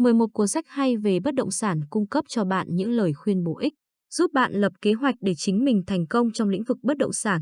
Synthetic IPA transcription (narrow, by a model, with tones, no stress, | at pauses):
mə˨˩əjmo˨˩t̚ku˧˩əsa˦˥jk̚ha˧jve˨˩ɓə˦˥t̚ɗə̰˧˨wŋ͡msaː˧˩nkʊ˧ŋ͡mkə˦˥p̚t͡ɕɔ˧ɓa̰ː˧˨nɲɨ̰˧˥ŋləː˨˩jxwi˧ənɓo˨˩ʔi˦˥k̟̚ | z̥u˦˥p̚ɓa̰ː˧˨nlə˨˩p̚ke˨˦ɦwa˨˩jk̟̚ɗe˧˩t͡ɕï˨˦ŋ̟mï˨˩ŋ̟t̪ʰɛ˨˩jŋ̟kə˧wŋ͡mt͡ɕɔ˧wŋ͡mlḭ˧˥ŋ̟vɨ˨˩k̚ɓə˦˥t̚ɗə̰˧˨wŋ͡msaː˧˩n